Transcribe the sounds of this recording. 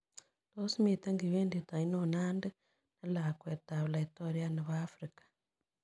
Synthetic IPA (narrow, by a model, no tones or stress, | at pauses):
tosimiteŋɡiβeːnditainonande | nalakwetaβulaitoɾianeβaːfɾikḁ